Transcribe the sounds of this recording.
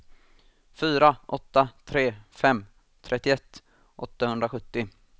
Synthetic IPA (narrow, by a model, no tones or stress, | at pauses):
fyːɾaʔɔt̪ːat̪ʰɾeːfɛmː | t̪ʰɾʔɛt̪ːɪɛt̪ː | ʔɔt̪ːahɵnd̪ɾaɧɵt̪ːɪ